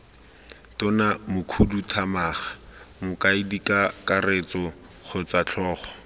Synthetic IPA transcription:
tʊnamʊkʰudutʰamaːχḁmʊkaidikakaret͡sɔ | χʰʊt͡sat͡ɬʰɔːχɔ̥

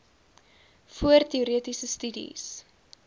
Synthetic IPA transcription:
fuərtiuɾiətisəstydḭs

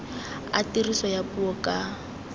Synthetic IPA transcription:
atirisɔjapuɔkʼa

